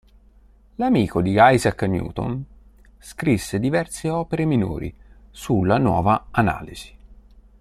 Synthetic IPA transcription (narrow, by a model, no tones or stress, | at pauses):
lamiːkod̪iɡajzakːnṵːt̪o̰n | skɾisːed̪ivɛrseɔːpeɾemino̰ːɾḭsulːanwɔ̰ːvaana̰ːliz̥i̥